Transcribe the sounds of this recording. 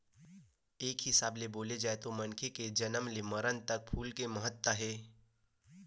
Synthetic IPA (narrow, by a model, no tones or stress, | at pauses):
eːkɦɪsaːbleboːled͡ʒaːet̪omɐnkʰeked͡ʒənəmleməɾənt̪ɐk̚pʰuːlkeməɦət̪ːəɦɛː